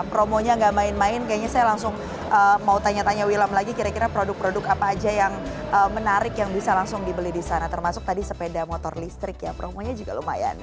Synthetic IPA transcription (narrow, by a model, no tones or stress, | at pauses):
pɾomoɲaŋɡaʔmaɪnmaɪnkajaʔɲasajalaŋsʊŋ | əmaut̪aɲat̪aɲawilamlaɡikiɾakiɾapɾodʊk̚pɾodʊkapaːd͡ʒajaŋəmənaɾɪkjaŋbisalaŋsʊŋdibəlidisanat̪ərmasʊk̚t̪adisəpedamot̪ɔrlist̪ɾɪkja̰pɾomoɲad͡ʒuɡaloma̰ja̰n